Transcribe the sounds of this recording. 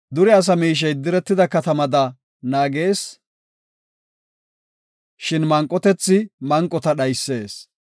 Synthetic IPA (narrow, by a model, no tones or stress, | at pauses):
d̪ʊɾɛɐs̬ɐmiːʃ̬ɐjd̪ɪɾɛt̪ːɪd̪ɐkɐt̪ɐmɐd̪ɐ | naːɡe̞ːs | ʃɪnmɐŋkʼːɔt̪ɛt͡sːɪmɐŋkʼːɔt̪ɐɗɐjsːe̞ːs